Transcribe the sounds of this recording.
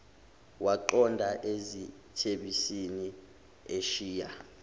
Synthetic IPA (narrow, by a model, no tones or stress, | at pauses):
waǃɔndʱaʔezi | tʰeɓisini | eʃiːja